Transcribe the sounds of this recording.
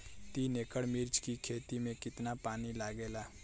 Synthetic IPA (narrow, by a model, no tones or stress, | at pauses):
t̪iːneːkəɽmɪɾt͡ʃkikʰeːt̪imẽkɪt̪napaːnilaːɡeːlaː